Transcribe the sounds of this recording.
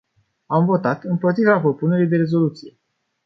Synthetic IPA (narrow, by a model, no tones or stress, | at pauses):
amvo̞t̪at̪ɨmpot̪ɾivapɾo̞pune̞ɾijd̪e̞ɾe̞zo̞lut̪sije̞